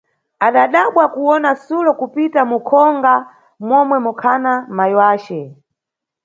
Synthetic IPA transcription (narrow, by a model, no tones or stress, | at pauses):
aɗaɗaɓwakuwɔnasulɔkupitamukʰɔŋɡa | mwɔmwɛmukʰanamajiwaːt͡ʃɛ